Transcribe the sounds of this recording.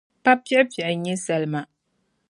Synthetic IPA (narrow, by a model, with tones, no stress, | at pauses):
pa˦pjɛ˦pa˨ʔɲɛ˦sɛ˨lma˨